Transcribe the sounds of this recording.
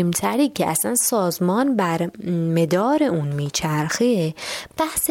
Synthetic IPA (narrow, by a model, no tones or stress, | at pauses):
mt̪ʰæɾiːcʰeʔæ̰sænsɒːzmɒːnbæɾmed̪ɒːɾeʔuːnmiːt͡ʃʰæɾxeb̥æhs